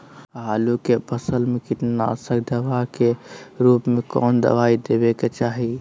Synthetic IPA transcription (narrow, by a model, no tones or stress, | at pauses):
ɦaːlukepʰəsəlmekɪʈnasəkd̪əʋakeɾuːpmekɔːnd̪ə̰ʋaid̪ebeket͡ʃaːɦi